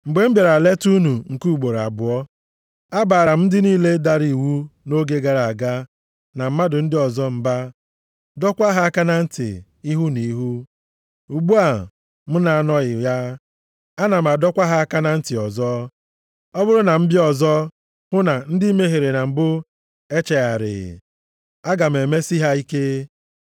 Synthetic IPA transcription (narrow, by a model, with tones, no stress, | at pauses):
ŋ͡m̩˨ɡ͡be˨m̩˦be˨ɾa˨le˦tu˦nu˨ŋ̩˨ku˦u˨ɡ͡bo˨ɾa̰˨bʊ˨ɔ˦ | a˦ba˨ɾa˨m̩˦dɪ˦niː˦le˦da˦ɾi˨wu˦no˦ɡe˦ɡa˨ɾa˨a˨ɡa˦ | na˨m̩˦ma˦dʊ˨n̩˦dɪ˦ɔ˨zɔ˦m̩˦ba˦ | dɔ˦kʷa˦ɦa˦a˦ka˦na˨n̩˦tɪ̰˨ | i˦ɦu˦ni˨˦ɦu˦ | u˨ɡ͡bu˦a˨ | m̩˦na˨nɔ˦ɣɪ˨ja˦ | a˦na˨m̩˨a˨dɔ˦kʷa˦ɦa˦a˦ka˦na˨n̩˦tɪ˨ɔ˨zɔ˦ | ɔ˦bʊ˦ɾʊ˦na˨m̩˦bɪ˦ɔ˨zɔ˦ | hʊ˦na˨n̩˦dɪ˦i˦me˦ɦe˨ɾe˨na˨m̩˨bʊ˦ | e˦t͡ʃe˨a˨ɾɪ̰˨ | a˦ɡa˨m̩˨e˨me˦si˦ɦa˦i˦ke˦